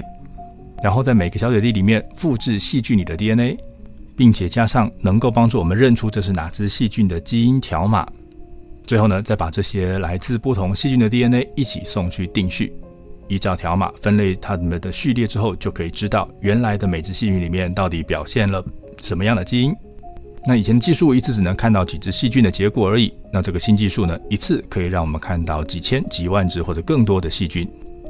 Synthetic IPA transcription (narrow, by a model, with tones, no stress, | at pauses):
ɻa˧˥nxo˥˧ʊt͡sa˥˩ɪme˨˩ɡə˧ɕjɑ˥ʊɕjɛ˨˩t̪i˥˩li˨˩mjɛ˥˧nfu˥˧ʈ͡ʂɻ̩˥˧ɕi˥˧t͡ɕy˥˩nli˨˩d̪ə˦t̪i˥˧ə˥ne˥ɪpi˥˩ŋt͡ɕʰjɛ˨˩t͡ɕja˥ʂɑ˥˩ŋnɤ˧˥ŋko˥˩ʊpɑ˥ŋʈ͡ʂu˥˩wɔ˨˩mə˦nɻə˥˩nʈ͡ʂʰu˥ʈ͡ʂɤ˥˧ʂ̬̩˥˩na̰˨˩ʈ͡ʂɻ̩˥ɕi˥˧t͡ɕy˥˩nd̪ə˩t͡ɕi˥i˥nt̪ʰjɑ˧˥ʊma̰˨˩˦ | t͡swe˥˧ɪxo˥˩ʊnə˩t͡sa˥˩ɪpa˨˩ʈ͡ʂɤ˥˩ɕjɛ˥la˧˥ɪt͡sɹ̩˥˧pu˥˩t̪ʰʊ˧˥ŋɕi˥˧t͡ɕy˥˩nd̪ə˩t̪̬i˥˩ə˥ne˥ɪi˥˩t͡ɕʰḭ˨˩sʊ˥˧ŋt͡ɕʰy˥˧t̪i˥˧ŋɕy̰˥˩ | i˧˥ʈ͡ʂɑ˥˩ʊt̪ʰjɑ˧˥ʊma̰˨˩fə˥nle˥˩ɪt̪ʰa˥mə˨nd̪ə˩ɕy˥˧ljɛ˥˩ʈ͡ʂɻ̩˥xo˥˧ʊt͡ɕjo˥˩ʊkʰɤ˧˥i˨˩ʈ͡ʂɻ̩˥t̪ɑ˥˩ʊɥɛ˧˥nla˧˥ɪd̪ə˧me˨˩ɪʈ͡ʂɻ̩˥˧ɕi˥˧y˥˩nli˨˩mjɛ˥˧nt̪ɑ˥˩ʊt̪i˧˥pjɑ̰˨˩ʊɕjɛ˥˩nlə˩ | ʂə˧˥nmə˧jɑ˥˩ŋd̪ə˩t͡ɕi˥i˥n | na˥˩i˨˩ɛ˧˥nd̪ə˧t͡ɕi˥˧ʂu˥˩i˧˥t͡sʰɹ̩˥˩ʈ͡ʂɻ̩˨˩nɤ˧˥ŋkʰa˥˧nt̪ɑ˥˩ʊt͡ɕi˨˩t͡sɻ̩˥ɕi˥˧t͡ɕy˥˩nd̪ə˩t͡ɕjɛ˧˥kwɔ˨˩ə˞˧˥i˨˩˦na˥˧ʈ͡ʂɤ˥˩ɡə˩ɕi˥nt͡ɕi˥˧ʂu˥˩nə˩i˧˥t͡sʰɹ̩˥˩kʰɤ˧˥i˨˩ɻɑ˥˩ŋwɔ˨˩ə˦nkʰa˥˧nt̪ɑ˥˩ʊt͡ɕi˨˩t͡ɕʰjɛ˥nt͡ɕi˨˥˩wa˥˩nʈ͡ʂɻ̩˥xwɔ˥˩ʈ͡ʂɤ˨˩kɤ˥˩ŋt̪̬wɔ˥d̪ə˨ɕi˥˧t͡ɕy˥n